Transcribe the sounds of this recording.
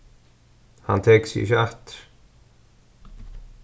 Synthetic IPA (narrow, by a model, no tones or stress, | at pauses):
ha̰nt̪ʰeːksɪ̰çəaht̪ɾ